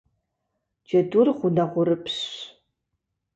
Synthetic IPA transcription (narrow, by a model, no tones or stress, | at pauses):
d͡ʒɐdʊrχʷʊnɐʁʷʊɾɨpʰɕ